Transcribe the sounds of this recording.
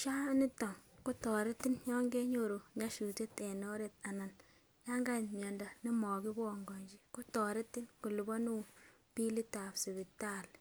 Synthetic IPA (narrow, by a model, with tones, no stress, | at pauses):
ʃa˦ni˦tɔ˨ŋku˦tɔ˨ɾe˦ti˦nɲɔ˦ŋɡe˦ɲo˦˨ɾu˨ɲa˦ʃu˨te˦t̪ɛ˨nɔ˦ɾe˨t̪̚a˨na˨n | ja˦ŋɡa˦˨nmjɛ˨nda˨ni˦mɔ˨ɡi˦bɔ˨ŋɡɔ˨ɲd͡ʒi˦ku˦tɔ˨ɾe˦ti˦nku˨lu˨bɔ˦nu˦ | pi˦li˦ta˨bsi˨bi˨ta˦˨l